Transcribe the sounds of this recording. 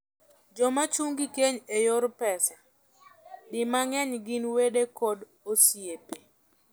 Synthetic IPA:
d͡ʒɔmat͡ʃuŋɡikeɲejʊɾpɛsa | dɪmaŋɛɲɡɪnwedekɔd | osjepe

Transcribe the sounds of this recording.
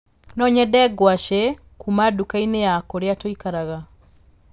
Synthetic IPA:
nɔɲɛdɛɡwaʃɛ | kʰumadukainejakoɾeatoikaɾaɣa

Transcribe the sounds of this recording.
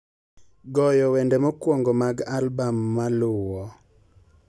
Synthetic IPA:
ɡɔjɔwɛndemɔkwɔŋɡɔmaɡalbamːalʊwɔ

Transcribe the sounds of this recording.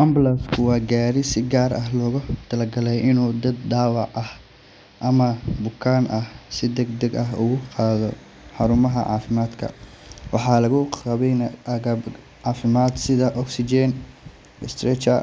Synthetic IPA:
ʔɐmblɐskʰʊwɑːɡaːɾɪsɪɡaːɾɐɦlɔːɣʊt̪ʰɐlɐɡɐlɛjʔɪnuːd̪ɐd̪̚ɖaːwɑʕɐh | ʔɐmɐbʊkʰaːnʔɐhsɪd̪ɐɡd̪ɐɡɐɦʊ̰ɣʊqɑːðɔ | ħɑɾʊmɐɦɐ̰ʕɑ̰ːfɪmaːd̪kʰɐ̰ | wʔɑħɑːlɐɣʊqɑβɛjnɐɐɣɐb | ʕɑːfɪmaːd̪sɪðɐʔɔksɪd͡ʒɛn | ɪst̪ɾɛt͡ʃɐ̰

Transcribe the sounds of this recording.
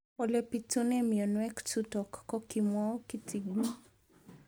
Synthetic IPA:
ɔlɛpitunɛmijɔnwɛktutɔkːɔkimwɔkitiɡu

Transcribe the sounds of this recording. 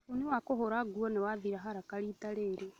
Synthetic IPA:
uniwakoɦoɾaɡuɔnewaðiɾaɦaɾakaɾitaɾeːɾe

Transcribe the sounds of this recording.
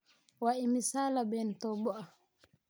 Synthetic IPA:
waʔimisaːlabɛntɔbɔa

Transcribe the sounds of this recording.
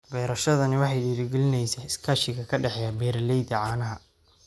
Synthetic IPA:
bɛːɾɐʃɐðɐnɪwɑħɑjɖiːɾɪɡɛlɪnɛjsɛɪskʰaːʃɪɣɐkʰɐɖɛħɛjabɛːɾlɛjd̪ɐʕɑːnɐɦɐ

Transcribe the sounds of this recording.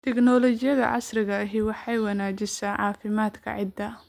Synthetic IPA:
t̪ʰɛknɔːlɔt͡ʃɪjɐðɐ̰ʕɑ̰srɪɣɐɐɦɪwɑħɑjwɑnaːd͡ʒɪsaːʕɑːfɪmaːd̪kʰɐ̰ʕɪd̪ɐ

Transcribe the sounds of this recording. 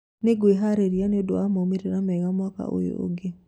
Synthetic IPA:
neɡweɦaɾeɾianeodoamomeɾeɾamɛɣamwaka̰ʔo̰jo̰ʔo̰ɡe

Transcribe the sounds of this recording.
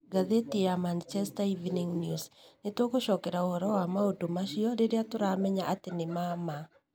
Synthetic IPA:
ɡaðetiamant͡ʃɛstaiviniŋnjusnetokoʃɔkɛɾaohɔɾɔwamaodomaʃiɔɾeɾeatoɾamɛɲaʔatenemama

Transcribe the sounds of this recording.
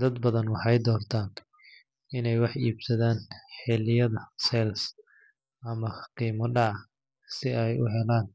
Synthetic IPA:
d̪ɐd̪bɐðɐnwɑħɑjd̪ɔːrt̪ʰaːn | ɪnɛjwɑħiːbsɐðaːnħɛlɪjɐðɐsɛls | ʔɐmɐqiːmɔɖɑʕ | sɪɛjʊ̰ɦɛlaːn

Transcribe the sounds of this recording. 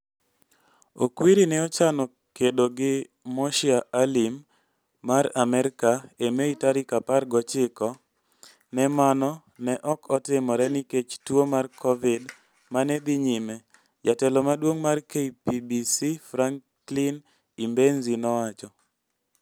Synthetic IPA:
okwiɾinɛɔt͡ʃanɔ | kedoɡɪ | mɔʃiaalimː | aɾamɛɾɪkaemeitaɾikaparɡɔt͡ʃɪkɔ | nɛmanɔ | nɛʔɔkʰɔtɪmɔɾɛniket͡ʃtwomarkʰɔvɪd | manɛd̪iɲime | d͡ʒatɛlɔmadwoŋmarkeipibisifɾaŋ | lin | imbenzinɔwat͡ʃɔ

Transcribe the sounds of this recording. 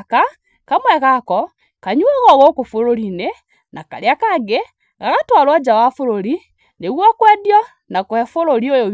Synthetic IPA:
ka | kamwɛɣakɔ | kaɲuɛɣɔɣokofoɾoɾine | naka̰ɾeakaɡe | ɡaɣatwalwad͡ʒawafoɾoɾi | neɣwɔkwɛdjɔ | nakwɛfoɾoɾiojo

